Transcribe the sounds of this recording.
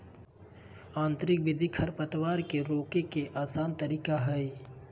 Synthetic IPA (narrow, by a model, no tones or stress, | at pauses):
ãːnt̪ɾɪk̚bɪd̪ʱikʰɐɾpət̪ʋaːɾkeɾoːkekeʔaːsaːnt̪əɾiːkaɦɛe